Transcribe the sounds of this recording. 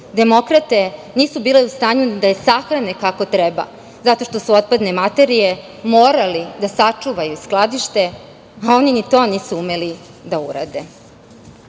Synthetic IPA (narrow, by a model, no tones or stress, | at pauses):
d̪e̞mo̞kɾat̪e̞niːsubiːle̞ust̪aːɲud̪ajesaxɾane̞kako̞t̪ɾeba̰ | zat̪o̞ʃt̪o̞suo̞t̪̚pad̪ne̞mat̪e̞ɾije̞ | mo̞ːɾalid̪asat͡ʂuʋajusklˠad̪iʃt̪e̞ | ao̞ninit̪o̞niːsuume̞li | d̪auɾa̰d̪e